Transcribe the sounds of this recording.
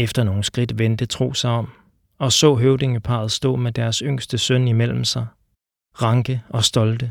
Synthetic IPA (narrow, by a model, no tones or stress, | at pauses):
efd̥ɐno̝ːn̩sɡ̥ʁid̥ʋend̥ət͡sʰʁo̝̰ːsɑ̈ɪɒ̽m̰ | ɒ̽sɔ̰̽ːɦøʊde̝ŋəpʰɑ̈ð̞̩ˠsd̥o̝̰̽ːmed̥æɐsøŋ̰sd̥əsœnimel̰m̩sɑ̈ɪ | ʁɑ̈ŋɡ̥əɒ̽sd̥ɒ̽ld̥ə